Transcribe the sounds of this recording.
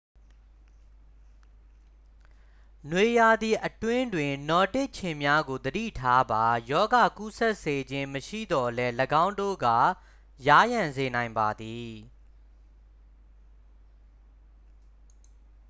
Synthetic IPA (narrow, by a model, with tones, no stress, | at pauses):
nwe˨ja˨d̪i˨ʔətwɪ̃˦ndwɪ̃˨nɔ˨tɪ˦ʔt͡ɕʰɪ̃˨mja˦ɡo˨d̪ədḭ˦˨tʰa˦ba˨jɔ˦ɡa˨ku˦sɛ˦ʔse˨d͡ʑɪ̃˦məʃḭ˦˨d̪ɔ˨lɛ˦ləɡã˦ʊ̃ndo̰˦˨ɡa̰˦˨ | ja˦jã˨nze˨nã˨ɪ̃mba˨d̪i˨